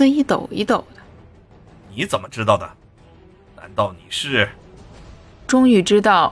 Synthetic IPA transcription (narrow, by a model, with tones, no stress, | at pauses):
i˥˩t̪o˨˩ʊḭ˧˥t̪o˨˩ʊd̪̥ə˦ | ni˧˥t͡sə˨˩nmə˦ʈ͡ʂɻ̩˥t̪ɑ˥˩ʊd̪ə˩ | na̰˧˥nt̪ɑ˥˩ʊni˨˩ʂɻ̩˥˩ | ʈ͡ʂʊ˥ŋy˧˩ʈ͡ʂɻ̩˥t̪ɑ˥˩ʊ